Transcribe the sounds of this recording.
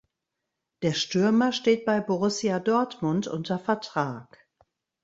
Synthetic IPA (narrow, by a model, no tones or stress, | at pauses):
d̥eːɐʃtʏɐmɐʃteːt̚b̥aɪboʁʊsjadɔɐtmʊntʔʊ̰ntɐfɛɐtʁ̥aːk